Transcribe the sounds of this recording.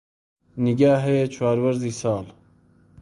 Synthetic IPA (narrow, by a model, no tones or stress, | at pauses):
niɡaːɦɛjet͡ʃʰwaːɾwɐɾziːsɑːl